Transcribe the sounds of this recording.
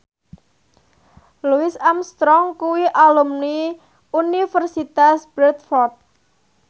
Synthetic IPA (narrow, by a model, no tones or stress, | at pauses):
luɪsamst̪ɾɔŋkuwiʔalumni | unifərsit̪asb̥ɾɛt̪̚fɔrt̪̚